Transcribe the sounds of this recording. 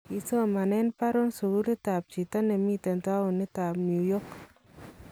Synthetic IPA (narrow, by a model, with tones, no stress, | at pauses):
i˨so˦ma˨nɛ˦npa˦ɾɔ˦nsu˨ɡu˦ɾi˦ta˨p̚t͡ʃi˨ta˦ne˨mi˦tɛ˨nta˦u˨ni˦ta˨pnju˨jɔ˦k